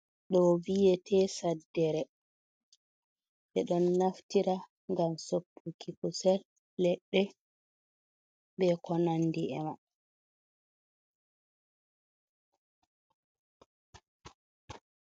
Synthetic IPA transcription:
ɗɔvijɛtʰɛːsadːɛɾɛ | ɓɛɗɔnːaftiɾa | ŋɡamsopʰːukʰikusɛlː | ɛɗːɛ | bɛkɔnandiɛ̰ma

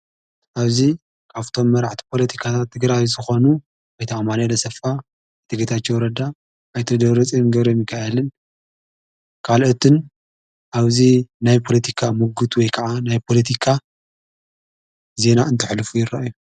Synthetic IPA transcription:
ʔaβzi | kʰaft̪ʰo̞mːɐɾaʕt̪ʰi̥pʰo̞lɐt̪ʰi̥kʰat̪ʰat̪ʰːɨɡɾajizɨxo̞nu | ajt̪ʰaɐmanɐlɐsɐfa | t̪ʰɨɡɐt̪ʰat͡ʃːewɾɐd̪aː | jt̪ʰɐd̪ɐβɾɐt͡sʼinɡɐβɾemjɪkʰːaɐlɨn | kʰalot̪ʰɨn | ʔaβzinajpʰo̞lɐt̪ʰikʰamuɡut̪wɔjkʰɐʕanajpʰo̞lɐt̪ʰikʰa | ze̞naɨnt̪ʰɨħlɨfujɪɾːaʔaju

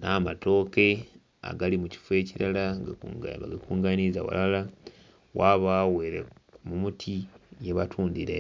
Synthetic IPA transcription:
naːmato̞ːke̞ | a̰ɡalimuci̥fue̞ːciɾala̰ | βaɡakuːŋɡanizawa̰lala | wʔaβaweɾḛmumutʰijeβatʰuːndiɾe

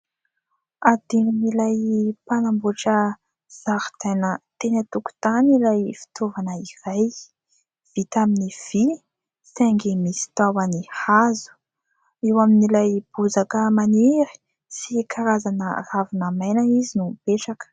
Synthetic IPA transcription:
ad̪ininilajpanamboʈ͡ʂə | z̥aɾt̪anət̪enat̪uku̥t̪anilajfi̥t̪ovanəiraj | v̥it̪aminiv̥i | seŋɡimisi̥t̪awanihazu̥ | ewaminilajb̥uzakəmaniɾi̥ | sikʰaɾazanə̰ravunamajnaizinupeʈ͡ʂak

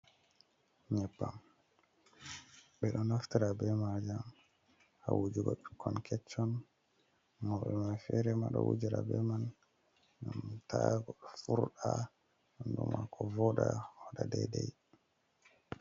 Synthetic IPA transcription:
ɲɛpːam | ɓɛɗɔnaftiɾabɛmad͡ʒam | ha̰wud͡ʒuɡɔɓi̥kʰːɔnkʰɛt͡ʃːɔn | mɔɓɛmanfɛɾɛmaɗɔwud͡ʒiɾabɛman | ŋɡamtaɡɔɗɔfuɾɗa | ndumakʰɔvɔɗawaɗadɛdɛj

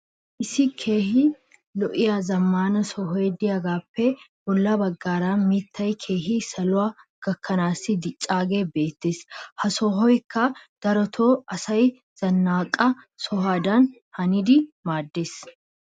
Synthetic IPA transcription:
ʔɪsɪkʰe̞ːhɪ | lɔʔɪjazɐmːaːnɐsɔɦɔjɛd̪ɪjɐɡaːpːɛbɔlːɐbɐɡːaːɾaːmiːt̪ːɐjkʰe̞ːɦisɐlʊaɡ̥ɐkʰːɐnaːsɪd̪ɪt͡ʃʼːaːɡeːbe̞ːt̪ːeːshɐsɔɦɔjkːɐd̪̥ɐɾɔt̪ʰoːɐsɐj | z̥ɐnːaːkʼːɐ | sɔɦaːd̪ɐn | hɐnɪd̪ɪmaːd̪ːeːs

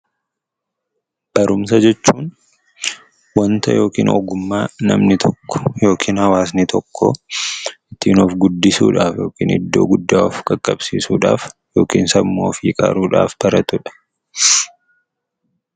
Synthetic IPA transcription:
b̥ɐɾʊmsɐd͡ʒɛt͡ʃːuːn | wɐnt̪ɐjo̞ːkḭːnɔɡʊmːaːnɐ̰mnɪt̪ʰɔkːɔ̥jo̞ːkʰiːnhɐwaːs̬nɪt̪ʰɔkʰːɔ | ʔɪt̪iːnofɡʊd̪ːɪsṵːᶑaːfjo̞ːkḭːnɪ̰d̪ːo̞̰ːɡʊd̪ːaːɔfkʼɐkʼːɐbsiːsuːᶑa̰ːfjo̞ːkiːnsɐbmoːfiːkʼa̰ːɾuːᶑa̰ːfb̥ɐɾɐt̪ʊᶑɐ̥

